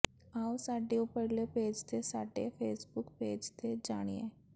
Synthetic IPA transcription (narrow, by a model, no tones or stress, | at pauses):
aːusaːɖeːũpəɦleːpeːd͡ʒt̪eːsaːɖḛːpʰeːsbʊkpeːd͡ʒt̪eːd͡ʒaːɽ̃ḭːɛ̰ː